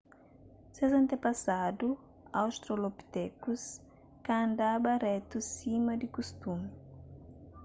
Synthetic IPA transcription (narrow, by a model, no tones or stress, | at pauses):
sezɐ̃nt̪epɐsad̪u | awst̪ɾolopi̥t̪ɛkus | kãnd̪abɐɾɛt̪usimɐd̪ikust̪umi